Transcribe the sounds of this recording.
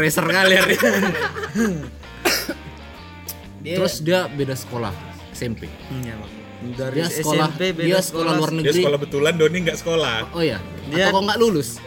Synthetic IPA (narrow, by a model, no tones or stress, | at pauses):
ɾesərkalir | t̪əɾʊsdiabedasə̥kola̰h | sɛmpḛ | dɾiasəkolahdiasə̥kolahluarnədɡɾiolahbət̪ulandoniŋɡaʔsə̥kolaoja | daakaŋɡaʔlulʊs